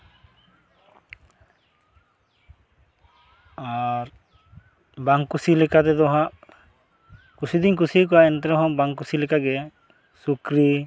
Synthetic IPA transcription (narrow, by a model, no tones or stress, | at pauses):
aɾ | baŋkusilɛkat̪ɛd̪ɔɦaʔ | kusid̪ink̬usik̬ɔaɛnt̪ɛɾɔɦɔ̃baŋkusilɛkaɡɛ | sukɾi